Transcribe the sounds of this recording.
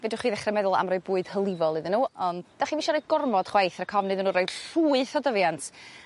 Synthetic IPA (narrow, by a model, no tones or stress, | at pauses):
vɛdʊχiːðɛχrɛmɛðʊlˠa̰mrɔɨbuːɨd̥həlˠɪvɔlˠɨðɪnːuːɔndd̥aχiːviʃɔɾɔɨd̚ɡʊrmɔd̥χwajθrəkʰɔvnɨðɨnːuːrɔjd̥ruːɨθɔdəvjantʰ